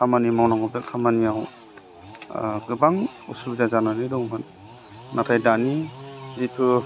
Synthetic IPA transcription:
kʰamanimawnaŋɔbɯkʰamanijaw | ɡɯbaŋusubzazananidɔŋman | natʰajdanizitʰu

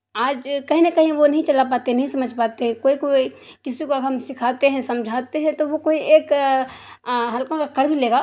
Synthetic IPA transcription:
aːd͡ʒkɐɦĩnekɐɦĩʋonɐɦĩt͡ʃɐlap̬aːt̪eɦɛnɐɦĩsɐməd͡ʒʱpaːt̪eɦɛ̃koːikoikɪsikoɦɐmsɪkʰaːt̪eɦɛ̃sɐ̃md͡ʒʱaːt̪eɦɛ̃t̪oʋokoːiʔeːk | ɦɐlkõkakɐɾbʱileːɡaː

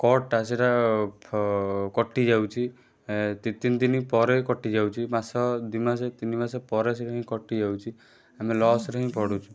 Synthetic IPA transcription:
kɔʈasiʈa | kɔʈːid͡ʒawt͡ʃʰi | t̪it̪ind̪inipɔɾekɔʈːid͡ʒawt͡ʃʰimasɔd̪imaset̪inimasepɔɾes̬iɾɔɦĩkɔʈːid͡ʒawt͡ʃʰi | amelɔsɾeɦĩpɔɽut͡ʃʰu̥

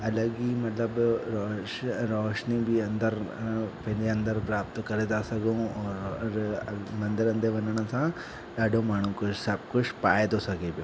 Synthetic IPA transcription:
ɐləɡimɐt̪ləbɾɔːʃɾɔːʃnibʱiɐ̃nd̪əɾpɐɦɪ̃leɐ̃nd̪əɾpɾaːpt̪okɐɾed̪asɐɡʱõɔːɾɾmɐ̃nd̪ɪɾɐ̃nd̪eʋɐɲəɽ̃ə̆sã | ɗaːɖʱomaːɳ̤ũkʊsɐbkʊt͡ʃʰpaːed̪osɐɡʱebjoː

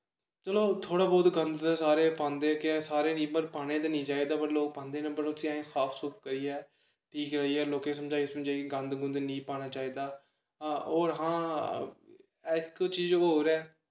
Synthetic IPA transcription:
t͡ʃəloːt̪ʰoːɽaːbɔːt̪ɡə̃nd̪d̪aːsaːɾeːpãːnd̪eːkɪsaːɾeːnĩːbəɾpaːɽ̃ẽːd̪aːnĩːt͡ʃaːiːd̪aːpəɾloːk̚pãːnd̪eːnə̃bəɾʊsĩːẽːsaːpʰsʊːp̚kəɾiːɛː | ʈʰiːkɾəɦiːɛːloːkẽːs̬əmd͡ʒaːiːsmd͡ʒaːiːkɪɡə̃nd̪ɡʊnd̪nĩːpaːñaːt͡ʃaːiːd̪aː | ɔːɾɦãː | ɛkt͡ʃiːd͡ʒooːɾɛː

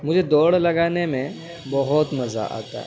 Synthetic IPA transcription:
m̤ud͡ʑʱed̪oɽləɡanemẽ | bɔɦɔt̪məd͡za̰ʔa̰t̪a̰

